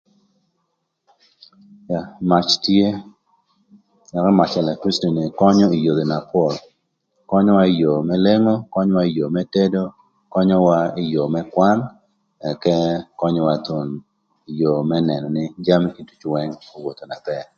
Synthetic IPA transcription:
ja˨ma˨t͡ʃtje˦ | ɛ˨kɔ˦ma˨t͡ʃɛ˨la˨kɾi˦sto˨ni˨kɔ˦ɲɔ˦i˨jo˨d̪o˨na˨pɔ˦˨l | kɔ˦ɲɔ˦wa˦ɪ˦jo˨mɛ˦le˦ŋo˦kɔ˦ɲɔ˦wa˦ɪ˦jo˨mɛ˦te˦do˦ | kɔ˦ɲɔ˦wa˦ɪ˦jo˨mɛ˦kwa˦n | ɛ˨kɛ˦kɔ˦ɲɔ˦wa˦t̪o˨n | i˨jo˨mɛ˦nɛ˨nɔ˨nɪ˦d͡ʒa˦m˦ki˦tu̥˦t͡ʃwɛ˦ŋo˨wo˨t̪o˨na˨pɛ˨

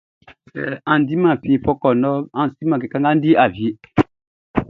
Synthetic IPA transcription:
ɛ˨ã˨n˨di˦mã˨fi˦˨pɔ˦kɔ˨nɔ˦ã˨si˦mã˨k̬ɛ˨ka˦ŋɡa˦n˦di˦ʔa˨vi˦

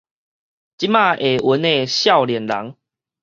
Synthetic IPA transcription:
t͡ɕi˦ma˥˧˨ʔe˨˩wə˨˦nːẽ˥˨ɕja˥˨ʊljɛ˨˩nla̰˨˦ŋ

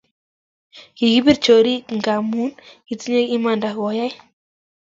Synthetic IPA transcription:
ki˨ɡi˦pi˦rt͡ʃo˨ɾi˦kŋɡa˨mu˦nki˨t͡si˦ɲe˦ki˦ma˨nda˨kwa˨ja˦j

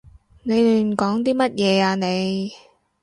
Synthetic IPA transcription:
ne˨˧jly˨˧m̩˨˩kɔː˨˥ŋt̪iː˥mɐ˥t̚jɛː˨˧aː˧ne˨˧j

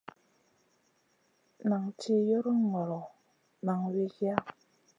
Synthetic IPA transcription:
na˨ŋti˦jo˦ɾu˦ŋɔ˨ɾɔ˨ | na˨ŋwi˦ɡja˦

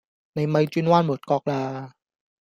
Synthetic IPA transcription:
na˧jma˧jt͡ɕiː˥˩nwaː˥˩nmu˨˩˦t̪̚kɔː˧˥k̚laː˧

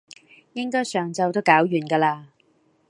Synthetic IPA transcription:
jɪ˥ŋkɔː˥jsœː˨ŋt͡sɐ˧wt̪o˥wkaː˨˥wjyː˨˩nkaː˧laː˧

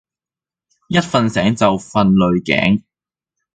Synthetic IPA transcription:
jɐ˥t̚fɐ˧nsɛː˨˥ŋt͡sɐ˨wfɐ˧nlɵ˨ɥkɛ̰ː˨˥ŋ

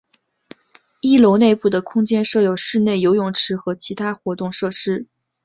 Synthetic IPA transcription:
i˥lo˧˥ʊne˥˧ɪpu˥˩d̪ə˩kʰʊ˥ŋt͡ɕjɛ˥nʂɤ˥˩jo˨˩ʊʂɻ̩˥˧ne˥˩ɪjo˧˥ʊjʊ˨˩ŋʈ͡ʂʰɻ̩˧˥xɤ˧˥t͡ɕʰi˧˥t̪ʰa˥xwɔ˧˥t̪ʊ˥˧ŋʂɤ˥˩ʂɻ̩˥

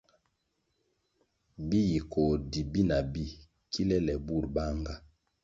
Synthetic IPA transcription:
bi˦ji˨ko˨di˨bi˦na˨bi˦ | kʰi˦lɛ˦lɛ˨bu˦˨ɾba˦ŋɡa˦

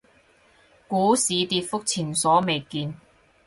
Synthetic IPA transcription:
kuː˨˥siː˨˧t̪iː˧t̚fʊ˥k̚t͡sʰiː˨˩nsɔː˨˥me˨jkiː˧n

